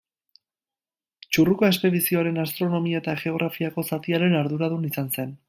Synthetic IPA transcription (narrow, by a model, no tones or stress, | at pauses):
t͡ʃurukoe̞spe̞ðisio̞aɾe̞nast̪ɾo̞no̞miae̞t̪aʝe̞o̞ɣ̞ɾafiako̞sat̪iaɾe̞naɾðuɾaðunisanse̞n